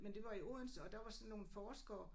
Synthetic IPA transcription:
mend̥e̝ʋɑ̈ioðˠn̩sɒ̽d̥ɑ̈ʋɑ̈sɒ̽nːo̝ːn̩fɒːsɡ̥ɐː

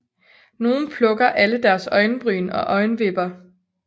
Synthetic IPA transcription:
no̝ːn̩pʰlɔ̽ɡ̥ɐʔæləd̥æɐsɒ̽ɪnəb̥ʁy̰ːnɒ̽ʔɒ̽ɪnəʋe̝b̥ɐ

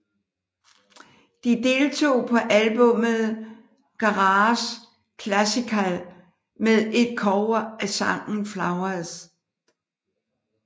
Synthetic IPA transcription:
d̥id̥e̝ːlt͡sʰo̝̰ːpʰɒ̽ʔælb̥ɔ̽məð̩ˠ | ɡ̥ɑ̈ʁɑs | kʰlæsikʰæl | meðˠe̝d̥̚kʰɒːɐæsɑ̈ŋ̰n̩flɑ̈ʊɐðˠs

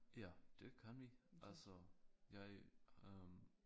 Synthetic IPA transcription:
jæd̥e̝kʰænʋiʔælsɔjɑ̈ɪøm

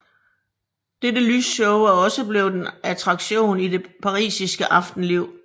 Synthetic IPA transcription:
d̥edəlysɕɔʊæɒ̽səb̥le̝ʊd̥enæt͡sʰʁɑ̈ɡ̥ɕo̝̰ːnid̥e̝pʰɑ̈ʁḭːsisɡ̥əʔɑ̈fd̥n̩liʊ̰

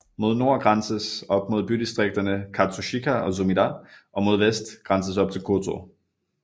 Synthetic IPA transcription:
mo̝ð̞̰ˠno̝ɐ̰ɡ̥ʁɑ̈nsəsɒ̽b̥̚mo̝ð̞ˠb̥yd̥isd̥ʁeɡ̥̚d̥ɐnəkʰɑ̈t͡sʰuɕikʰæɒ̽s̬omidɑʔɒ̽mo̝ð̞ˠʋesd̥ɡ̥ʁɑ̈nsəsɒ̽b̥t͡sʰe̝lkʰot͡sʰo̰

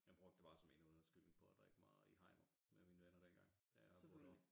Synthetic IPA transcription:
jɑɪb̥ʁɔ̽ɡ̥̚d̥əbɑ̈ːsɒ̽me̝nuðˠɐsɡ̥yl̰eŋpʰɒ̽æd̥ʁɛɡ̥əmɑ̈ːð̩ˠihɑ̈ɪ̰nɐ | memiːnəʋenɐd̥enɡ̥ɑ̈ŋ̰d̥æ

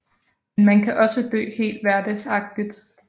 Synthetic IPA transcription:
menmænkʰæʔɒ̽səd̥ø̰ːhe̝̰ːld̥ʋæɐd̥əsɑ̈ɡ̥̚d̥id̥

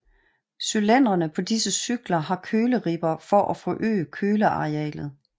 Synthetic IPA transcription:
sylen̰ɐnəpʰɒ̽disəsyɡ̥lɐhɑ̈kʰøːləʁib̥ɐfɒʔæfɔʔø̰ːəkʰøːləɑ̈ʁeɛ̰ːlð̩ˠ

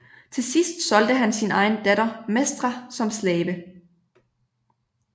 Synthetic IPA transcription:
t͡sʰe̝sisd̥sɒ̽ld̥əɦænsinɑ̈ɪn̩d̥æɾ̥ɐmesd̥ʁɑsɒ̽mslɛːb̥ə

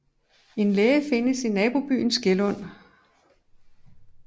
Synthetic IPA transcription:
e̝nlɛːfe̝nəsinɛːb̥o̝b̥y̰ːn̩sɡ̥elɔ̽n̰

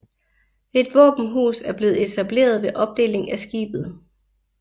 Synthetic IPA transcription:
e̝d̥ʋɔ̰ːb̥n̩ɦṵːsæɐb̥le̝ːð̩ˠe̝t͡sʰæb̥le̝̰ːɐð̞ˠʋe̝ʔɒ̽b̥̚d̥e̝̰ːle̝ŋæsɡ̥ḭːb̥ð̩ˠ

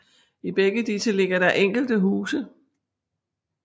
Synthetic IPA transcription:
ib̥eɡ̥əd̥isəle̝ɡ̥ɐɾ̥ɑ̈ʔeŋ̰ɡ̥l̩d̥əɦuːsə

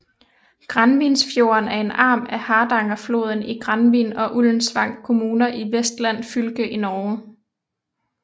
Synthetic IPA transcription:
ɡ̥ʁɑnʋinsfjo̝ɐnæɐe̝nɑ̰̈ːmæhɑ̈ːd̥ɑ̈ŋɐflo̝̰ːð̞ˠn̩iɡ̥ʁɑnʋḭnɒ̽ʔuln̩sʋɑ̈ŋ̰̥̚kʰo̝muːnɐʔiʋesd̥læn̰fylɡ̥əʔinɒʊ

